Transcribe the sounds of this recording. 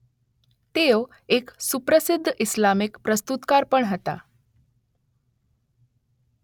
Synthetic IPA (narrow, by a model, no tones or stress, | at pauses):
t̪eo | eksupɾəsid̪ʱːʔislamikpɾəst̪ut̪kaɾpəɳɦət̪a̰